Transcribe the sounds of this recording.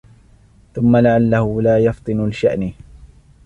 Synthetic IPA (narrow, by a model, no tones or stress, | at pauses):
θʊmːalaʕalːahʊlaːjɑft̪ˤɨnʊlɪʃa̰ʔn